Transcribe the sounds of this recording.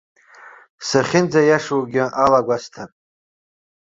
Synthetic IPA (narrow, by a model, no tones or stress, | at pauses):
saχʲɪnd͡zajaʂwuɡʲɪʔalaɡʷastʰapʼ